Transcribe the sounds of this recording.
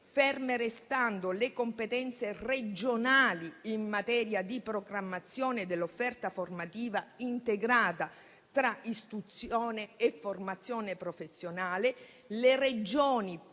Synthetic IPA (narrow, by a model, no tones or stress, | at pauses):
fɛrmeɾest̪and̪olekompet̪ɛnt̪sered͡ʒonaːliimːat̪ɛːɾjad̪ipɾoɡɾamːat̪sːjɔːned̪elːofːɛrt̪aformat̪iːvaint̪eɡɾaːt̪a | t̪ɾaist̪ɾut̪sjɔːneːfːormat̪sːjɔːnepɾofesːjonaːle | lered͡ʒoːni